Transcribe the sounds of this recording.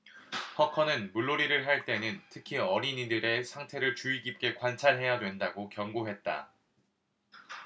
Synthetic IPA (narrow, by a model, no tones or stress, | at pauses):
hʌkʰʌnɯnmuɭːoɾiɾɯɭɦaɭt͈e̞nɯntʰɯkʰiʌɾiɲindɯɾe̞sʰaŋtʰe̞ɾɯɭt͡ɕuiɡip̚k͈e̞kwant͡ɕʰaɭɦe̞jadwe̞ndaɡokjʌŋɡoɦe̞t̚t͈a̰